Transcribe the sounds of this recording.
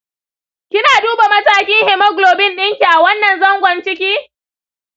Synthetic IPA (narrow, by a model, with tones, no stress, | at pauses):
kʲɪ˦naː˨duː˦ba˨mɐ˦taː˦kʲɪ˦ŋhɪ˨mɐ˦ɡloː˨bɪ˦nɗɪ˦ŋkʲi˨ʔa˨wɐ˦nːɐ˨nzɐ˦ŋɡʷɐ˨nt͡ʃɪ˦kʲiː˦